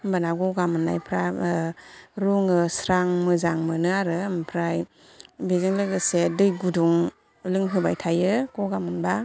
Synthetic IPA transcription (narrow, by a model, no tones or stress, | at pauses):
mbanaɡɔɡamɯnːa̰jpʰɾa | ɾuŋɯsɾaŋmɯzaŋmɯnɯaɾɯmpʰɾaj | bezɯŋlɯɡɯsedɯjɡuduŋ | lɯŋɦɯbajtʰajɯɡ̥ɔɡamɯnba